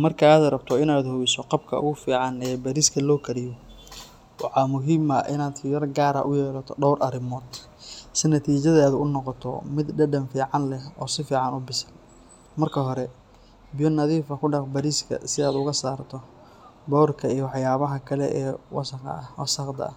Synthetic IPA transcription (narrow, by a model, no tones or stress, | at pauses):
mɐrkʰɐaːðrɐbt̪ʰɔɪnaːd̪hɔwɪsɔqɑb̚kʰɐ̰ʊ̰ɣʊfiːʕɑnɛːbɐɾiskʰɐlɔːkʰɐɾɪjɔ | wɑħɑmʊɦɪmɐʔɪ̰naːd̪jɐrɡaːɾɐ̰ʔʊjɛːlɐt̪ʰɔɖɔwrɐɾɪmɔːd̪ | sɪnɐt̪ʰiːt͡ʃɐðaːðʊʊnɔqɔt̪ʰɔ̰mɪd̪ɖɐɖɐnfiːʕɑnlɛhɔːsɪfiːʕɑnʊbɪsɐl | mɐrkʰɐɦɔɾɛ | bɪjɔnɐðiːfɐkʰʊɖɑqbɐɾiːskʰɐ̰sɪaːd̪ʊɣɐsaːrt̪ʰɔ | bɔrkʰɐijɞwɑħjaːβɐɦɐkʰɐlɛ̰ʔɛːwɑswɑ̰sɐqd̪ɐ̰ɐ